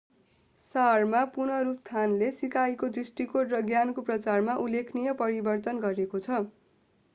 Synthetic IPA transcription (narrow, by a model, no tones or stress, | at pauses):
sarmapunʌɾup̚t̪ʰanlesikajkod̪risʈikoʈrʌɡjankoprʌt͡sarmaʔulːekʰnijʌpʌɾibʌrt̪ʌnɡʌɾekot͡sʰʌ